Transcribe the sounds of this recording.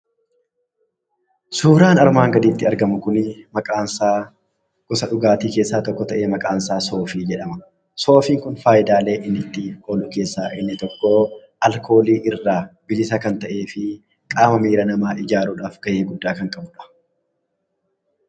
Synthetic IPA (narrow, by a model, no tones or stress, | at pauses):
suːɾaːnɐɾmaːŋɡɐd̪iːt̪ːɪɐɾɡɐmʊkʊnɪmɐkʼaːnsaː | kʊsɐᶑʊɡaːt̪iːkeːsːaːt̪ɔkːɔt̪ɐʔeːmɐkʼaːnsaːso̞ːfiːd͡ʒɛᶑɐmɐ | so̞ːfiːŋkʊnfaːjɪd̪aːle̞ːʔɪnːɪt̪ːɪho̞ːlʊke̞ːsːaːʔɪnːɪt̪ɔkːoː | ʔɐlkʰo̞ːliːʔɪrːaːbɪd͡ʒɪsakɐnt̪ɐʔe̞ːfɪ | kʼaːmɐmiːɾɐnɐmaːʔɪd͡ʒaːɾuːᶑaːfɡ̥ɐʔe̞ːɡʊd̪ːaːkɐŋkʼɐbʊᶑɐ̥